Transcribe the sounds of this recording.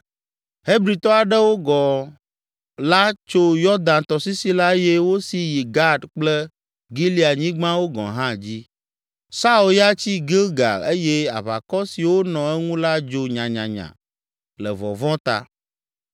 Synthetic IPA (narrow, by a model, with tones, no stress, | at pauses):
he˦bɾi˨t̪ɔ˦a˨ɖɛ˦wo˦ɡɔ˨ | la˦t͡ʃo˦jɔ˦d̪ã˨nt̪ɔ˨si˦si˦la˦jɛ˦wo˦si˦ji˨ɡa˦ɖk͡plɛ˦ | ɡi˦li˦˨a˨ɲĩ˦ɡ͡bã˦wo˦ɡɔ̰̃˨ɦã˦d͡ʑi˦ | sa˦u˨lja˦t͡ɕi˦ɡe˦ɡa̰˨e˦jɛ˦a̰˨βa̰˨kɔ˦si˨wo˦nɔ̃˨ɛ˦ŋũ˦la˦d͡ʒo˦ɲã˨ɲã˨ɲã̰˨ | lɛ˨vɔ̰˨vɔ̃˦t̪a̰˦˨